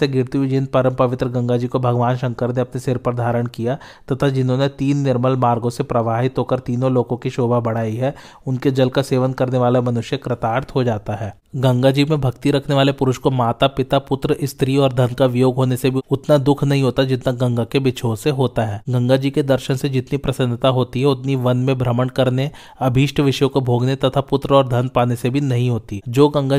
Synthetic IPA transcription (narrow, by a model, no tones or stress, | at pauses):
seɡɪɾt̪iɪd͡ʒɪ̃n̚pɐɾəmpɐʋɪt̪ɾəɡɐ̃ŋɡad͡ʒiːkobʱɐɡʋaːnʃɐ̃ŋkəɾneɐpnesɪɾpəɾd̪ʱaːɾəɽ̃kija | t̪ɐt̪ʰad͡ʒɪnɦõnet̪iːnːɪɾməlmaːɾɡõsepɾɐʋaːɦɪt̪ɦoːkəɾt̪iːnõloːɡõkiʃoːbʱabɐɽ̤aːiɦɛː | ʊnked͡ʒɐlkaseːʋənkɐɾneʋaːlemɐnʊʃjəkɾɐt̪aːɾt̪ɦod͡ʒaːt̪aɦɛː | ɡɐ̃ŋɡad͡ʒimẽbʱɐkt̪iɾɐkʰneʋaːlepʊɾʊʃkomaːt̪apɪt̪apʊt̪ɾəʔɪst̪ɾiɔːɾd̪ʱɐnkaʋɪjoːɡʱɦoːnesebʱiʊt̪nad̪ʊkʰnɐɦĩɦoːt̪ad͡ʒɪt̪naɡɐ̃ŋɡakebɪt͡ʃʰoseɦoːt̪aɦɛːɡɐ̃ŋɡad͡ʒiːked̪ɐɾʃənsed͡ʒɪt̪nipɾɐsə̃nd̪ət̪aɦoːt̪iɦɛʊt̪niʋɐnmẽbʱɾəməɽkɐɾne | ɐbʱiːʃʈʰʋɪʃjõkobʱoːɡnet̪ɐt̪ʰapʊt̪ɾəɔːɾd̪ʱɐnpaːnesebʱinɐɦĩɦoːt̪id͡ʒoːɡɐ̃ŋɡa